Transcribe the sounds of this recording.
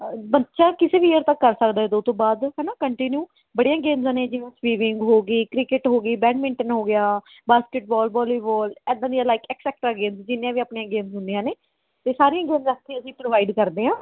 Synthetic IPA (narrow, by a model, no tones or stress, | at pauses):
bətːʃaːkɪseːʋijəɾt̪əkːəɾsəkd̪aːɦɛːd̪oːt̪õːbaːd̪ɦɛːnaːkəɳʈɪnjuː | bəɽijãːɡeːmzãːneːd͡ʒɪʋãːsʋiːʋɪŋɡɦoːɡiːkɾɪkɪʈɦoːɡiːbɛ̃ːnmɪ̃ɳʈənɦoːɡɪjaː | baːskɪʈ̚bɔːlbɔːliːbɔːlɛːd̪ãːd̪iaːlaːɪkɛːksɛːk̚ʈɾaːɡeːmzd͡ʒɪnːjãːʋiːaːpɳiːãːɡeːmzɦʊnd̪ijãːneː | t̪eːsaːɾijãːɡeːmzakt̪ʰːeːəsĩːpɾoːʋaːɪɖkəɾd̪eːɦãː